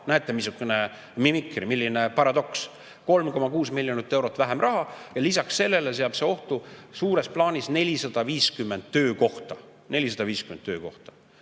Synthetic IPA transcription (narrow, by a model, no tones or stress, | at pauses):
næːt̪ːˑemisukːˑune | mimikˑrimilːine̞pɑɾɑd̪o̞ks | ko̞lmko̞mɑkuːsmilʲjonit̪ˑːe̞wɾo̞t̪ːˑvæɦemrʔɑɦɑjɑlisɑksse̞lːe̞les̬e̞ɑb̥seo̞ht̪usuːɾe̞splɑːnʲisne̞lʲisɑd̪̥ɑviːskymːend̪t̪ːø̞ːko̞ht̪ɑ | ne̞lʲisɑd̪ɑviːskyment̪ːˑøːko̞ht̪ɑ̥